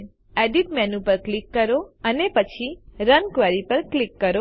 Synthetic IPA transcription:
ɛɖiʈmɛnupəɾklikːəɾoənepət͡ʃʰiɾənkʋɛɾipəɾklikːəɾo

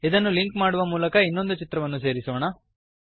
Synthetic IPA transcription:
id̪ɐnːuliŋkmaːɽuʋɐmuːlɐkɐinːo̞nd̪ut͡ʃit̪ɾɐʋɐnːus̬e̞ːɾisɐʋɳɐ

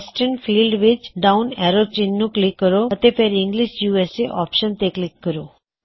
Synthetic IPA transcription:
sʈənfiːlɖʋit͡ʃɖaunɛɾot͡ʃinːũklikːəɾoət̪efeɾɪ̃ŋɡliʃjuːeseʔɔ̰pʃənt̪eklɪkːəɾo

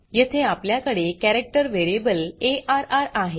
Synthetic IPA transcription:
jet̪ʰeapljakəɽekæɾek̚ʈəɾʋeɾiebəleʔaɾaɾaɦe

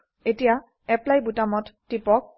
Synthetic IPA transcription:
etija | ɛplajbutamɔtːipɔk̚

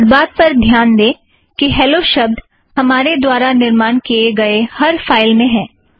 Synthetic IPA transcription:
d̪baːt̪̚pɐɾd̪ʱjaːnd̪ẽː | kiɦɛːloʃɐb̚d̪ | hɐmaːɾed̪waːɾanɪɾmaːnkieɡɐehɐɾfaːɪlmẽɦɛ̃ː

